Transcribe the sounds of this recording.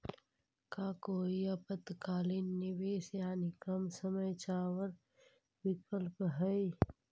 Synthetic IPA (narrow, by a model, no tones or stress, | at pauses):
kaːkoːiɐpət̪kaːlinːibeːsjaːnikɐmsəməjt͡ʃaːwəɾ | wikəlpɦəi